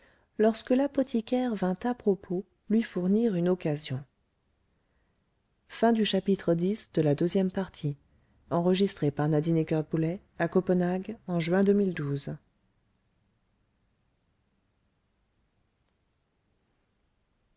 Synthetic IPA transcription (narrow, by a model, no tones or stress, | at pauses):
lɔʁskəlapɔt̪ʰikʲɛʁvɛ̃t̪apχɔpʰo | lɥifuʁniʁynɔkazjɔ̃ | fɛ̃d̪yʃapit̪χəd̪isd̪̥əlad̪øzjɛmpaʁt̪ʰi | ɑ̃ʁəʒist̪χepaʁnad̪inekʲœʁd̪̚bulɛ | akɔpənaɡɑ̃ʒɥɛ̃d̪əmild̪uz